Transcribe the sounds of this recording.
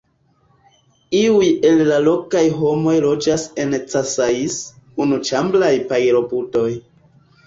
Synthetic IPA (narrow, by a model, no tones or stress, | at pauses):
iuje̞llalo̞kajɦo̞mo̞jlo̞d͡ʒase̞nt͡sasais | unut͡ʃamblajpajɾo̞puto̞j